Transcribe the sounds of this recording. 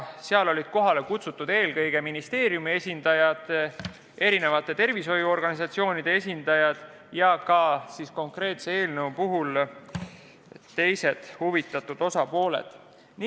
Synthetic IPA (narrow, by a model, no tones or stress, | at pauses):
seɑlo̞lʲid̪̥ko̞ɦɑle̞kut̪sut̪ːˑud̪̥e̞ːlkɤjɡ̥e̞minist̪e̞ːɾjumie̞sʲind̪̥ɑjɑd̪̥ | e̞ɾine̞vɑt̪ːˑe̞t̪e̞rviso̞juo̞rɡ̥ɑnisɑt̪sio̞ːnid̪̥e̞e̞sʲind̪̥ɑjɑd̪̥ | jɑkɑsisko̞ŋkre̞ːt̪se̞e̞ːlnewpuɦul | t̪e̞jse̞d̪̥huvit̪ːˑɑt̪ːud̪̥o̞sɑpo̞ːlḛd̪̥ | n